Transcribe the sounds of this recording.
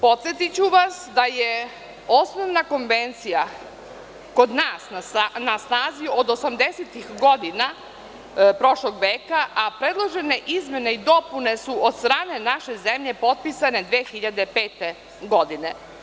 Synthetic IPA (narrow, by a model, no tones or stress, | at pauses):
po̞t̪sjet̪it͡ɕuʋasd̪aje | o̞sno̞ʋnako̞nʋe̞nt̪sija | ko̞d̪naːsnaanasnaːziod̪osamd̪eset̪ixɡo̞d̪ina | pɾo̞ʃlˠoɡʋeːkaʔapɾed̪lˠoʒe̞ne̞ʔizme̞neid̪o̞pune̞suʔod̪st̪ɾaːne̞naʃe̞zemʎe̞po̞t̪̚pisane̞d̪ʋeːxiʎad̪e̞pe̞ːt̪e | ɡo̞d̪ine̞